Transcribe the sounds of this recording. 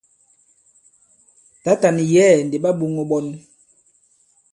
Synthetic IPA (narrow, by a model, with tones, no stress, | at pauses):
ta˨˦ta˨ni˨jɛː˦˨n̩˨de˨ɓa˦bu˨ŋo˨ɓɔ˨n